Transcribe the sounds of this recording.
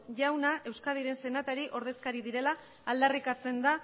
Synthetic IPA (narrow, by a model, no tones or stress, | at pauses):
ʝawnaʔe̞wskað̞iɾe̞nse̞nat̪aɾiʔo̞ɾðe̞skaɾiðiɾe̞laː | ld̪arikat͡se̞nd̪a